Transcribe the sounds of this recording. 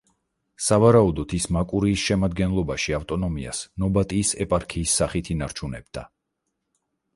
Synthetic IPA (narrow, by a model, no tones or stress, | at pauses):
savaɾaud̪ɔt̪ʰismakʼuɾiːsʃɛmad̪ɡɛnlˠɔbaʃiaft̪ʼɔnɔmia̰snɔbat̪ʼiːsɛpʼaɾkʰiːsːaχit̪ʰinaɾt͡ʃʰunɛ̰b̚d̪̥a̰